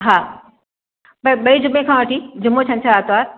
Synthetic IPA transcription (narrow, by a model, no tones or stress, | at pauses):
ɦaː | bɐɓɐid͡ʑʊmẽkʰãːʋɐʈʰid͡ʑʊmot͡ɕʰɐ̃nt͡ɕʰaaːt̪oaːɾ